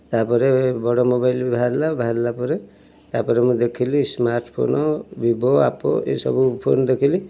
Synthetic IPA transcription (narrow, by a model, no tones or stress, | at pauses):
t̪apɔɾebɔɽomobajlbibʱaɾlabʱaɾlapɔɾe | t̪apɔɾemũd̪ekʰilismaɾʈpʰo̰nɔbibʱoa̰po̰ḛsɔ̰bupʰo̰nd̪ekʰili